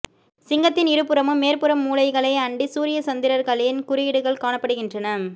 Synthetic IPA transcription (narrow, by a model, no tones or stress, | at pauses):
sɪŋɡɐt̪ːɪnɪɾɯpːɯɾɐmɯmːeːɾpɯɾɐmːuːlɐɪɣɐɭɐɪɐɳɖisuːɾɪjɐsɐnd̪ɪɾɐɾɣɐɭɪnkʊɾɪjɪɽɯɣɐɭkaːɳɐpːɐɽɯɣɪndrɐnɐ